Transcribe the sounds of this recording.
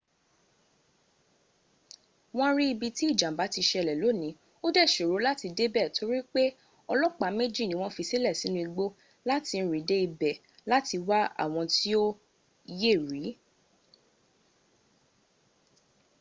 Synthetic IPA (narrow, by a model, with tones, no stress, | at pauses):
w̃ɔ̃˦ɾi˦i˧bi˧ti˦i˦˨d͡ʒã˨ba˨˦ti˧ʃɛ˧lɛ˨lo˨˦nĩ˨˦ | o˦dɛ˦˨ʃo˨ɾo˨˦la˦ti˧de˦bɛ˦˨to˨˦ɾi˦k͡pe˦ | ɔ˧lɔ˦k͡pa˨˦me˦d͡ʒi˦˨nĩ˨˦w̃ɔ̃˦fi˧si˦lɛ˦˨si˨˦nũ˦i˧ɡ͡bo˦ | la˦ti˧n̩˦ɾi˨˦de˦i˧bɛ˨ | la˦ti˧wa˦a̰˦˨w̃ɔ̃˧ti˦o˦ | je˦˨ɾi˨˦